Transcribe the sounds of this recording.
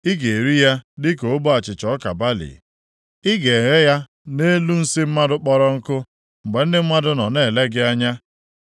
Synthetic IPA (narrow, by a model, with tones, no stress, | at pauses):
ɪ˦ɡe˨ɾi˦ja˦dɪ˦ko˨ʊ˦bʊ˦a˨t͡ʃɪ˨t͡ʃɔ˦ka˨ba˦lḭ˨ | ɪ˦ɡe˨ɣe˦ja˦ | ne˦lu˦n̩˦sɪ˦m̩˦ma˦dʊ˦k͡pɔ˦ɾɔ˦ŋ̩˦kʊ˦ | ŋ͡m̩˨ɡ͡be˨n̩˦dɪ˦mʷa˦dʊ˦nɔ˨ne˦˨le˦ɡɪ˦a˦ɲa˦